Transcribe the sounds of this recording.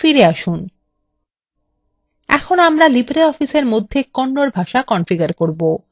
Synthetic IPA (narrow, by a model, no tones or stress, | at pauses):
fiɾeaʃun | ɛ̰kʰonoamɾalibɾeɔfiseɾmod̪ʱːekoɳɖoɾbʱaʃakɔnfiɡaɾkoɾbo